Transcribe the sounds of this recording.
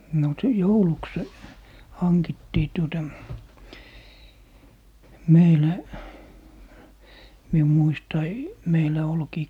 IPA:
no si jouluks hɑnkitːiː tuotɑ meilæ mium muistɑi meilæ olkiː

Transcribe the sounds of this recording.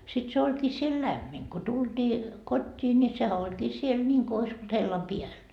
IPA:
sit se olʲkiː siel læmːin ko tultiː kotʲːiː nʲi sehæ olʲkiː siel nʲiŋko ois olt helːɑm piæl

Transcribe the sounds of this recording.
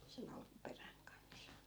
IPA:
sen ɑlkuperæŋ kɑns

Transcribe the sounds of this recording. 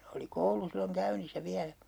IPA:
oli koulu silːoŋ kæynisːæ ʋiælæ

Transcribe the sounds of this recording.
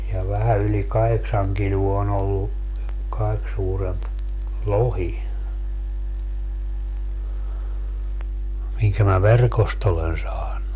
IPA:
jɑ ʋæhæ yli kɑheksɑŋ kiluo on olːu kɑik suːremp lohi miŋkæ mæ ʋerkost olen sɑːnːu

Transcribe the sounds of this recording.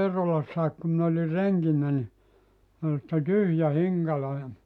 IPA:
eːrolɑsːɑik ku min oli reŋkinːæ ni ol sĭtːe tyhjæ hiŋkɑlo jɑ

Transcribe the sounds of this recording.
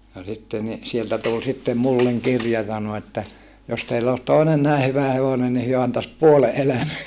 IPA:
no sitːe ni sieltæ tul sitːem mulːeŋ kirjɑ sɑno etːæ jos teilː oːs toinen næˑe hyʋæ heʋonen ni hyø ɑntɑs puole ʔelæmæ

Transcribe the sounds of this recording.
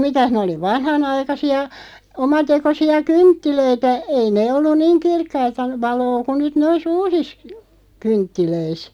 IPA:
mitæh nĕ oli ʋɑnhɑnɑikɑsiɑ omɑtekosiɑ kyntːiløitæ ei neː olːun̆ niːŋ kirkːɑitɑ ʋɑloː ku nyt nois uːsis kyntːiløis

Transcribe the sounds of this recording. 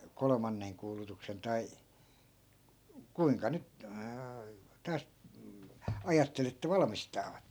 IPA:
kolŏmɑnːeŋ kuːlutuksen tɑi kuiŋkɑ nyt tɑːs ɑjɑtːel etːæ ʋɑlmistɑːʋɑt

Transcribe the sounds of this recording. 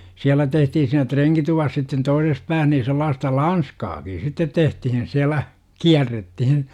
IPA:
siælæ tehtihin siːnæ treŋkituʋɑs sitːen toises pæːh niː selːɑːstɑ lɑnskɑːki sitːet tehtihin siælˑæ kiærːetːihin

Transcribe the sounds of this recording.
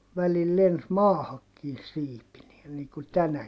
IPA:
ʋælil lens mɑːhɑkːiːn siːpinie niːŋ ku tænæ

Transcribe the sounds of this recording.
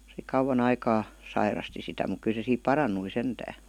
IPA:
se kɑuwɑn ɑikɑː sɑirɑsti sitæ muk ky se siːp pɑrɑnˑui sentæː

